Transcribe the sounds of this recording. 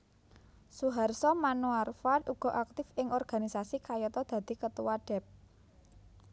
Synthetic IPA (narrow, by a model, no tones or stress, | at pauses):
suɦarsɔmanuarfad̪uɡ̥ɔ̤ʔak̚t̪ɪfɪŋɔrɡ̥a̤nisasikajɔt̪ɔd̪̥ä̤d̪̥i̤kət̪uwaɖ̥ɛ̤p̚